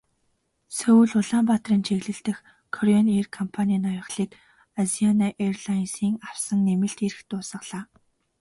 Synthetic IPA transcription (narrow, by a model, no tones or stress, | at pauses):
sɵwɘ̆ɮʊɮaːmpat̪riːnt͡ɕʰeɣɮɘ̆ɬt̪ɘ̆x | kʰɔɾjɔnirkʰɔmpʰanʲiːnɔjɞ̆χɮiːk | azianaʔerɮainsiːŋaw̥sə̆ŋːemɘ̆ɬt̪eɾɘ̆xt̪ʊːsə̆χɮ̥aː